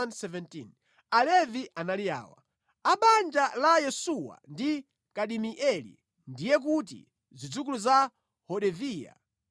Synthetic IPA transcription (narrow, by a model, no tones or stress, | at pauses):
andsɛvɛntḭn | alɛviʔanalia̰ːwa̰ | aɓand͡ʒalajɛsuwa̰ndi | kaɗimiʔɛlḭ | ndijɛk̬ut̬ḭ | zid͡zuk̬uluza | hɔɗɛviːja̰